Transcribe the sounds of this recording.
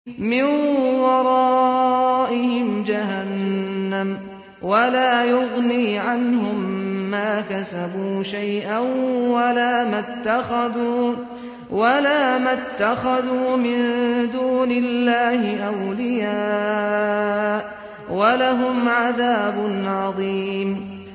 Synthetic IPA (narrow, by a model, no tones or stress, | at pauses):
mɪnwɑɾˤɑːʔɪhɪmd͡ʒaɦanːam | walaːjʊɣniːʕanhʊmːaːkasabuːʃajʔanwalaːmat̪ːaxaðuː | walaːmat̪ːaxaðuːmɪnd̪uːnɪlːaːhɪʔawlɪjaː | ʔ | walaɦʊmʕaðaːbʊnʕɑðˤiːm